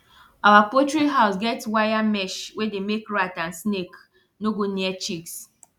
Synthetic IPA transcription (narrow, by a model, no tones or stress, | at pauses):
awapotɹiɦaʊsɡɛtwajamɛʃwedemekɹatãnsnek | noɡoniɛt͡ʃiks